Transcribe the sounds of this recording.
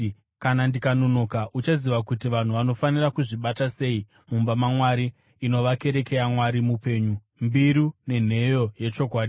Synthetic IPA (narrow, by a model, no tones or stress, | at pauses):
kanandikano̞no̞kaʔut͡ʃaziʋakutiʋan̤uʋano̞fanirakuʐiɓatase̞i | mumbamamwaɾiː | no̞ʋake̞ɾe̞ke̞jamwaɾimupe̞ːɲu | mbiɾune̞n̤e̞jo̞je̞t͡ʃo̞kwaːɗi